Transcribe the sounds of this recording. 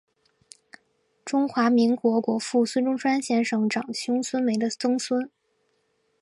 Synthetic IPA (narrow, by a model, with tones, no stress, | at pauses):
ʈ͡ʂʊ˥ŋxwa˧˥mi˧˥ŋkwɔ˧˥kwɔ˧˥fu˥˩sʰwə˥nʈ͡ʂʊ˥ŋʂwa˥nɕjɛ˧˥nʂɤ˨˩ŋʈ͡ʂɑ˨˩ŋt͡ɕʰjʊ˥ŋsʰwə˥nme˧˥ɪd̪ə˧t͡sɤ˥ŋsʰwə˥n